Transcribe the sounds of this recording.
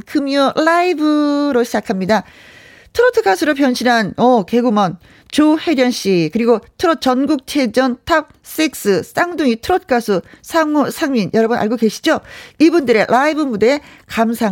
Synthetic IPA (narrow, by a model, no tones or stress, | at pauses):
kɯmjʌɭːaibɯɾoɕʰid͡ʑakʰamɲida | tʰɯɾotʰɯkʰasʰɯɾopjʌnɕʰinanʌke̞ɡumʌn | t͡ɕohe̞ɾjʌnɕ͈ikɯɾiɡotʰɯɾʌt̚t͡ɕʌnɡuk̚t͡ɕʰe̞d͡ʑʌntʰap̚s͈ik̚s͈ɯs͈aŋduŋitʰɯɾot̚ʰkʰasʰusʰaŋsʰaŋɲinjʌɾʌbɯnʔa̰ɭɡoɡe̞ɕʰi̥d͡ʑoibundɯɾe̞lʔaibɯmudeekamsʰaŋ